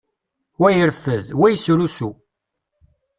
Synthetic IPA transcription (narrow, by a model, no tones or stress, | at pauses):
wæjəɾfəðwæjsɾusu